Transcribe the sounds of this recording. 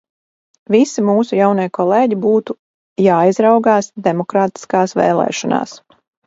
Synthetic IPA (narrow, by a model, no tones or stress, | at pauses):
visimuːsujawnejkɔlˠeːɟibuːt̪u | jaːizɾawɡaːsd̪emɔkɾaːt̪i̥skaːsʋɛ̰ːlˠɛ̰ːʃɔna̰ːs